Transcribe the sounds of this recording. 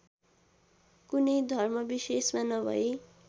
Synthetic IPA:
kunejd̪ʱʌrmʌbisesmanʌbʱʌ̰e

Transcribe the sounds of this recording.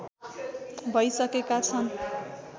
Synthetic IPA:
bʱʌjsʌkekat͡sʰʌn

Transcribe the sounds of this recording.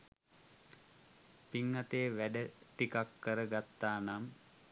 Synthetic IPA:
piŋːat̪eʋæɖəʈikakːəɾəɡat̪ːaːnam

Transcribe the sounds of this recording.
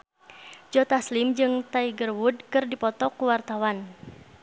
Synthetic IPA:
d͡ʒɔt̪aslɪmd͡ʒɨŋt̪aiɡərwud̚kɨrdipɔt̪ɔkuwart̪awan

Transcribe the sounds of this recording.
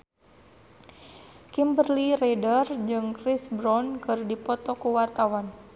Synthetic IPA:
kimbərliɾɛdərd͡ʒɨŋkɾisbɾɔnkɨrdipɔt̪ɔkuwart̪awan

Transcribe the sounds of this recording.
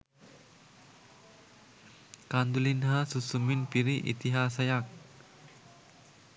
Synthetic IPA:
kand̪ulinɦasusumɪnpiɾiʔḭt̪iɦas̬ajak̚

